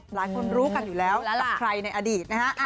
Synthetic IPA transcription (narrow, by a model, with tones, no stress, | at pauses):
laː˩˦jkʰo˧nɾuː˦˥ka˧njuː˨˩lɛː˦˥wa˧˩kʰɾa˧jna˧jʔa˧diː˨˩t̪̚na˦˥ka˦˥ʔ